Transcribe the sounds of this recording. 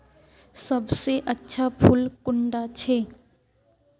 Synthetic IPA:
səbseʔətːʃʰapʰʊlkʊɳɖat͡ʃʰe

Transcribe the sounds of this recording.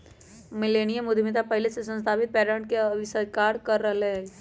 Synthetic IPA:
mɪleːñijəmʊd̪ʱmit̪apɐɦɪlesesə̃nst̪ʰaːpɪt̪̚pɛːɾə̃ɳʈkeəʋisəɾkaːɾkɐɾːɐɦɦ

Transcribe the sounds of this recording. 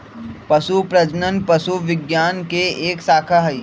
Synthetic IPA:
pɐsupɾɐd͡ʒnənpɐsuʋɪɡjaːnkeeːksaːkʰaɦɐiː

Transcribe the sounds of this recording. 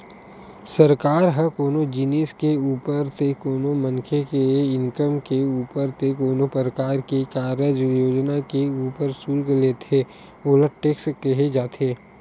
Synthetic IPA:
səɾkaːɾɦə̃koːnod͡ʒɪneːskeuːpəɾt̪ekoːnomənkʰekeɪ̃ŋkəmkeuːpəɾt̪ekoːnopəɾəkaːɾkekaːɾəd͡ʒjoːd͡ʒnakeuːpəɾsuːlkleːt̪ʰe | oːləʈeːkskeɦed͡ʒaːt̪ʰeː

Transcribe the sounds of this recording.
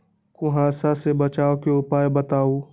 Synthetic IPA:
kʊɦaːsasebɐt͡ʃaːokeʊpaːjbɐt̪aːo

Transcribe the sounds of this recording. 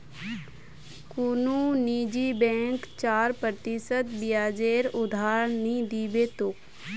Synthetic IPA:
kununiːd͡ʒiːbɛ̃ːŋkt͡ʃaːɾpɾət̪ɪsət̪bijaːd͡ʒeːɾʊd̪ʱaːɾənĩd̪iːbeːt̪oːk

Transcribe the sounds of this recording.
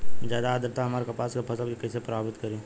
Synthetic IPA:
zjaːd̪aːd̪əɾt̪aɦɐmaːɾekɐpaːskapʰɐsəlkikɛːsepɾɐbaːbɪt̪kɐɾẽː

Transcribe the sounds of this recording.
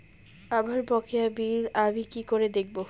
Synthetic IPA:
abaɾbɔkʰejabiɾamikikoɾed̪ek̚bo

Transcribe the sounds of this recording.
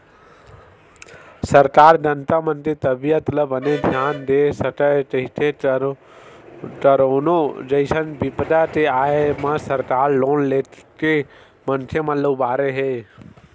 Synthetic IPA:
səɾkaːɾd͡ʒənt̪amə̃nt̪ɾit̪əbijət̪ləbəned̪ʱjaːnd̪esəʈʈəɦɪt̪ʰe | ʈəɾoːnod͡ʒəɪsənbɪpd̪at̪eaːemãsɐɾkaːɾloːnleːke | mənt̪ʰjəmət̪ləbbaːɾeɦeː

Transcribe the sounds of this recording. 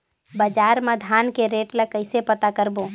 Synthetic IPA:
bəd͡ʒaɾməd̪ʱankeɾeʈlakəɪsepət̪akəɾbo

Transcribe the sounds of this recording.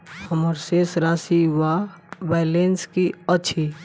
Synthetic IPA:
həməɾsesɾaːsiwabɛːlenskiəʃʰi

